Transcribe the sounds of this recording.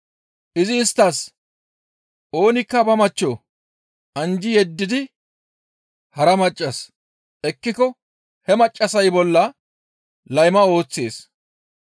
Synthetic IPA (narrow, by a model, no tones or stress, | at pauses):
ʔɪzɪːst̪ːɐs | ʔo̞ːnɪkːɐbɐmɐt͡ʃːo | ʔɐnd͡ʒɪjɛd̪ːɪd̪ɪ | hɐɾɐmɐt͡ʃʼːɐs | ʔɛkːɪkɔ | hɛmɐt͡ʃʼːɐsɐjbɔlːɐ | lɐjmɐo̞ːt͡sːe̞̰ːs